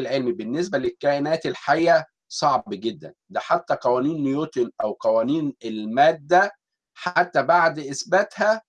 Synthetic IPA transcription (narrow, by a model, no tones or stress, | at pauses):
lʕelmibenːes̬bælekːæʔenæːt̪elħajːæ | sˤɑʕbɡed̪ːæ̰nd̪æħat̪ːæqɑwæːniːnːjot̪onʔæwqɑwæːniːnelmæːd̪ːæ | ħat̪ːæbaʕd̪ʔesbæt̪hæ